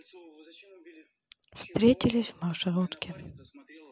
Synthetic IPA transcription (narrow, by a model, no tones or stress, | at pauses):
fst̪ɾʲet͡sʲɪlʲɪsʲvmawʂɐɣut̪kʲɪ